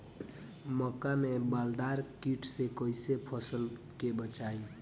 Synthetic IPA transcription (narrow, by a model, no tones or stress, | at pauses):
mɔkamẽbald̪aːɾkiʈʰsekoisepʰəsəl | kebət͡ʃai